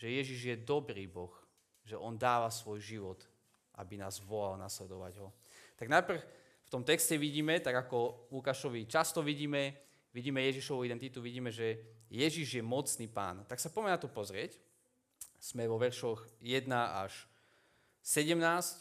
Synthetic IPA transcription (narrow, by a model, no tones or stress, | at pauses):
ʒ̥ɛjɛʒiʒjɛd̪ɔbɾiːbɔx | ʒɛʔɔnd̪aːʋasʋɔjʒiʋɔt̪ | ʔa̰binaːzʋɔlalnaslɛd̪ɔʋa̰ɟɦɔ | t̪aɡnajpr̩x | ft̪ɔmt̪ɛkscɛʋiɟiːmɛt̪aɡakɔlukaʃɔʋit͡ʃast̪ɔʋiɟiːmɛ | ʋiɟiːmɛjɛʒiʃɔʋuid̪ɛnt̪it̪uʋiɟiːmɛʒɛjɛʒiʒjɛmɔt͡sniːpa̰ːnt̪aksapɔmɛnat̪ɔpɔzɾɪɛc | z̥mɛʋɔʋɛɾʃɔxjɛd̪naaʃ | sɛɟɛmnaːsc